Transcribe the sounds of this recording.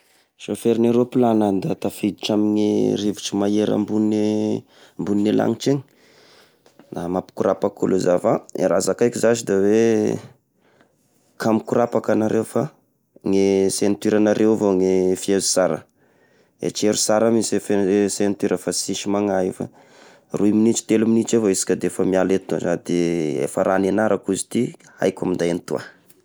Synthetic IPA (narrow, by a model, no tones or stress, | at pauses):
ʃofeɾineɾopilanand̪at̪afid̪iʈ͡ʂamiɲḛriviʈ͡ʂimajeɾa̰mbun | mbunːela̰ŋit͡ʃeŋi̥ | namapi̥kuɾapakṵluzafaeɾazakajkizaʃid̪awe | kʰamikuɾapakanaɾʔewfa | ŋesent̪iɾanaɾʔewvoŋefiezi̥saɾə̰ | ḛt͡ʃeɾusaɾamisefesent̪iɾəfasiʃimaŋaifa̰ | ruminit͡ʃi̥t̪eluminit͡ʃevaisi̥kʲəd̪efamialet̪uazad̪eḛfaɾanenaɾʔakuzi̥t̪i | a̰jkʲamind̪ajant̪ua̰